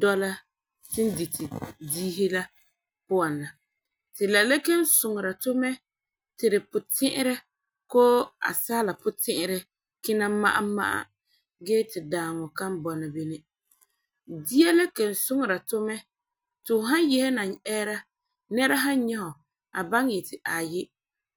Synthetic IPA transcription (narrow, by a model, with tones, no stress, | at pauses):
dɔ˦la˦ | tɪ˦n˦di˨tʰɪ˨diː˦ɦi˦la˦ | pʊ˦a˨nla˨ | tɪ˨la˨la˦ke˦n˦sʊ˨ŋ˨ɾa˨tʊ˦mɛ˦ | tɪ˨ɾɪ˨pʊ˨tɪ˦ʔɪ˦ɾɛ˦ | koː˦a̰˨saː˦la˨pʊ˦tɪ˦ʔɪ˦ɾɛ˦ | kɪ˦na˦ma̰˦ʔa̰˦ma̰˦ʔa̰˦ | ɡeː˦tɪ˨daː˨ŋɔ˨ka˦m˦bɔ˨na˨bi˦nɪ˦ | di˦ɛ˦la˦ke˨n˨sʊ˦ŋ˨ɾa˨tʊ˦mɛ˦ | tɪ˨ʊ˨ɦa˦n˦jɛ˦hɛ˦na˨ŋɛː˦ɾa˦ | nɛ˦ɾa˦ɦa˦n˦ɲɛ˦ɦɔ˨ | a˨ba˦ŋjɛ˨tɪ˨ʔa˨jɪ˦